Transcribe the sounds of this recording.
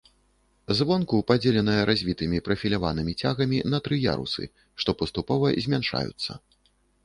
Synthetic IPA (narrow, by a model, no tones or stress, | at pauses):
zvɔnkupad͡zʲelʲɛnɐjɐɾazʲvʲit̪ɨmʲipɾɐfʲilʲavanɨmʲit͡sʲaɣɐmʲinɐt̪ɾɨja̰ɾṵsɨ̰ | ʂt̪ɔpɐst̪upɔvɐzʲmʲanʂa̰jṵt̪sːɐ̰